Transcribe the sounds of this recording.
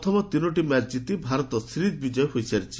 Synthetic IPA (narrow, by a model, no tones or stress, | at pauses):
t̪ʰɔmɔt̪inɔʈimaɾd͡ʒit̪ibʱaɾɔt̪ɔsʰɾit̪̚bid͡ʒɔjɔɦojsaɾit͡ʃʰi̥